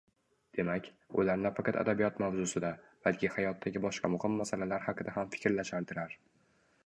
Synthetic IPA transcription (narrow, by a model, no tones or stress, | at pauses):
d̪̥e̞makʲ | ʊlaɾnafaqʰɑt̪a̰d̪abijɒt̪mawzʊsɪd̪ab̥alkʲʰɪhajɒt̪ʰːaɡʲɪbɒʃqʰɑmʊhɪmːasalalaɾhaqɨd̪aɦamfɪ̥kʲɾlaʃalt̪ʰɪɾaɾ